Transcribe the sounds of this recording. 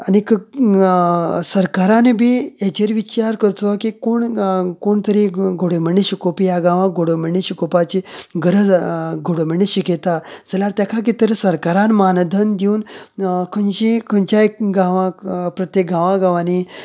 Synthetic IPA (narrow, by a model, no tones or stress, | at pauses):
anik | səɾkaɾanebʱiet͡ɕeɾʋit͡ɕaɾkəɾt̪okikoɳkoɳt̪əɾiɡʱoɽeməɳːeɕikopijaɡãʋãɡʱoɽəməɳiɕikopat͡ɕiɡəɾəd͡zɡʱoɽəməɳːiɕiket̪ad͡zəlaɾt̪jakʰak̬it̪əɾesəɾkaɾãnmand̪ʱənd̪iuːnkʰənɕikʰənt͡ɕaɡãʋãpɾət̪jek̚ɡãʋãɡãʋani